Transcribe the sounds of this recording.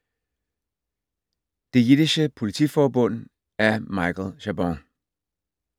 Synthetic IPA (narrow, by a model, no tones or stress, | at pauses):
d̥e̝jidiɕəpʰo̝lit͡sʰḭːfɒːbɔ̽n̰ | æɐmɑ̈ɪkl̩ɕæbɔŋ